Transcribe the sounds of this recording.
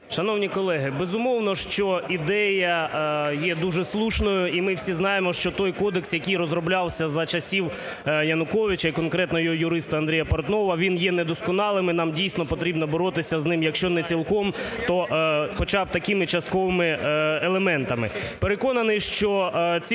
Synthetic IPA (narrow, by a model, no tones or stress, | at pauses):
ʃɐnɔwnʲikɔlˠɛɦɪbezʊmɔwnɔʃt͡ʃɔid̪ɛjɐjɛd̪uʒɛslˠuʃnɔjʊʔimɪwsʲiznɑjemɔʃt͡ʃɔt̪ɔjkɔd̪eksjɐkijrɔzrɔblʲɑwsʲɐzɐt͡ʃɐsʲiw | jɐnʊkɔʋʲɪt͡ʃɐikɔnkɾɛt̪nɔjɔɦɔjʊɾɪst̪ɐɐnd̪ɾijɐpɔrt̪nɔʋɐʋʲinjɛnɛd̪ɔskɔnɑlˠɪmɪnɑmdʲijsʲnɔpɔt̪ɾʲibnɐbɔɾɔt̪ɪsʲɐznɪmjɐkʃt͡ʃɔnɛt͡sʲilˠkɔmt̪ɔxɔt͡ʃɑb̚t̪ɐkɪmɪt͡ʃɐst̪̚kɔʋɪmɪelˠemɛnt̪ɐmɪpeɾekɔnɐnɪʃt͡ʃɔt͡sʲi